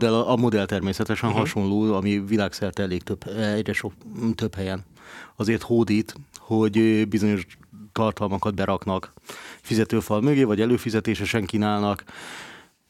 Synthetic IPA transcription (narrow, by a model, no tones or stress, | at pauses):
d̪ɛlɒmo̞d̪ɛlt̪ɛrmeːsɛt̪ɛʃɛnɦɒʃo̞nloːɒmivilaːksɛrt̪ɛɛleːk̚t̪øbɛɟrɛʃot̪øphɛjɛnɒzeːrt̪hoːd̪iːt̪ho̞ɟbizo̞ɲo̞ʃt̪ɒrt̪ɒlmɒkɒd̪̚bɛɾʔɒknɒkfizɛt̪øːfɒlmøɡeːvɒɟɛløːfizɛt̪eːʃɛʃɛŋkinaːlnɒk